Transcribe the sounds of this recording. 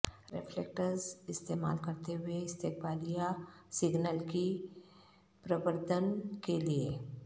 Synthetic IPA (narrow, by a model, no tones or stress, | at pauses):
ɾɪfʰleːk̚ʈəɾzɪst̪eːma̰ːlkɐɾt̪eɦʊeɪst̪eːkbaːlijasɪɡnəlki | pɾəbəɾd̪ʱənkelie